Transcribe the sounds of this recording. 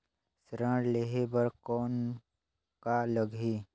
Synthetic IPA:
sɾə̃ɽleɦebəɾkɔːn | kaləɡʱi

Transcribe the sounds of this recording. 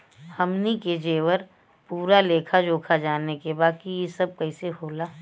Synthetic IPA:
hɐmniked͡ʒeːʋəɾ | puːɾaleːkʰad͡ʒoːkʰad͡ʒaːnekebaːkijesɐb̚kɐiseɦoːlaː

